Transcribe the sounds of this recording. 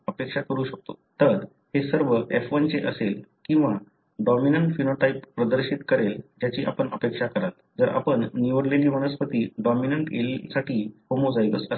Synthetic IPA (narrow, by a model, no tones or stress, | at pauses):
əpekʂakəɾuːɕək̚t̪ot̪əɾ | hesəɾʋəʔefʋənt͡seʔəselkĩw̃ʋa | ɖɔminəɳʈfinoʈaippɾəd̪əɾɕit̪kəɾeld͡ʑjat͡ɕiːʔa̰pəɳəpekʂakəɾat̪d͡zəɾa̰pəɳːiʋəɽleliːʋəñəspət̪iːɖɔminəɳʈḛlsaʈiːhomod͡zajʋəsəs